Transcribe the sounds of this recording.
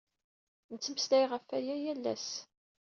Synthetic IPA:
nt͡sːəmslæjʁəfːæjæjælːæ̰s

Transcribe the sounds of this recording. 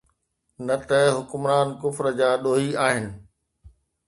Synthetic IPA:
nɐt̪ɐɦʊkʊmɾaːnkʊfɾə̆d͡ʑaːɗoːɦiaːɦɪnɪ̆

